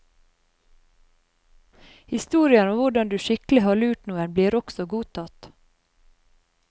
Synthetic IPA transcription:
hɪst̪uːɾɪənɔmʋʊɖɑnd̪ʉːʃɪkl̩ɪhɑːɭʉːʈnuːənbliːɾɔksɔɡuːt̪ʰɑt̪

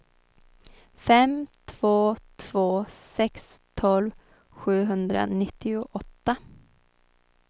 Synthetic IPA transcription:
fɛmt̪ʰv̥oːt̪ʰv̥oːsɛks | t̪ʰɔlv | ɧʉ̟ːɦɵnd̪ɾa̰nɪt̪ːɪʊʔɔt̪ːa

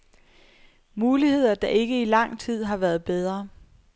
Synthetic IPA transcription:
muːlihe̝ð̞̰ˠɐd̥ɑ̈ʔe̝ɡ̥əilɑ̈ŋ̰t͡sʰið̞̰ˠɦɑ̈ʋæːɐð̞ˠb̥eð̞ˠʁɐ

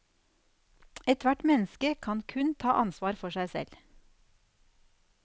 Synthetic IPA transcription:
ɛt̪ʋæʈmɛnəskəkʰɑnkʰʉnt̪ʰɑːʔɑnsʋɑːɾfɔʃæɪsɛ̰l

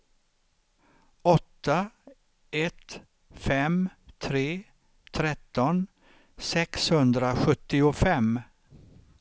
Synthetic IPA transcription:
ɔt̪ːa | ɛt̪ | fɛmt̪ʰɾeː | t̪ʰɾɛt̪ːɔn | sɛkshɵnd̪ɾaɧɵt̪ːɪʊfɛmː

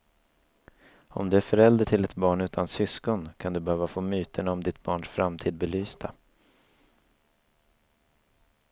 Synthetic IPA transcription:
ɔ̰md̪ɵæɾfœɾɛld̪əʈʰɪlɛt̪bɑːɳʉ̟ːt̪ʰansʏskɔnkʰand̪ɵbɛhøːvafoːmyːt̪ʰəɳaɔmd̪ɪt̪bɑːɳʂfɾamt̪ʰiːd̪̚bɛlyːsd̪a

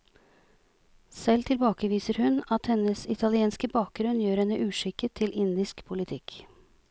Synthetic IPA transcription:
sɛlt̪ʰɪlbɑːkəʋiːsəɾhʉnɑt̪hɛnəsɪt̪ʰɑlɪeːnskəbɑːk̚ɡɾʉnjøːɾɛnːəʔʉːʂɪkːət̪ʰɪlʔɪnd̪ɪskpʰʊlɪt̪ʰɪk

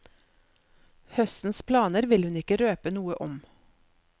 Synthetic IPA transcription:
hœst̪n̩spʰlɑːnəɾʋɪlhʉnɪkəɾøːpənuːəʔɔm

